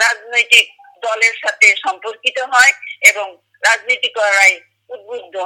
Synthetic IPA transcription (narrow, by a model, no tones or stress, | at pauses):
ɹaznojtik̚ | dɔleɹsatesɔmpokitɔɦɔjebɔŋ | ɹaznitikɔɹaj | ut̚budʱɔ